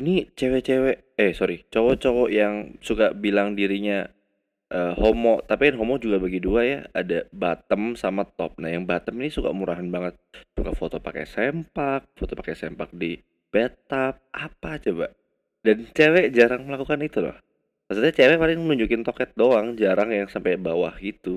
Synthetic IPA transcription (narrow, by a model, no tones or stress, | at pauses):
init͡ʃewɛʔt͡ʃewɛʔ | ɛsoɾit͡ʃowɔʔt͡ʃowɔʔjaŋsukabilaŋdiɾiɲa | ʔəhomɔʔt̪apijanɦomɔd͡ʒuɡabaɡiduaja̰adabat̪əmsamat̪ɔp̚nahjaŋbat̪əminisuka̰muɾaɦanbaŋət̪̚suka̰fot̪opakɛ̰sɛmpak̚fot̪opakɛsɛmpak̚di | pɛt̪̚ap̚apat͡ʃobaʔ | dant͡ʃewɛʔd͡ʒaɾaŋməlakukanit̪ulɔ̰h | mas̬ut̪ɲat͡ʃewɛʔpalɪŋmənuɲd͡ʒukɪnt̪ɔkɛt̪̚doaŋd͡ʒaɾaŋjaŋsampajbawahɡit̪u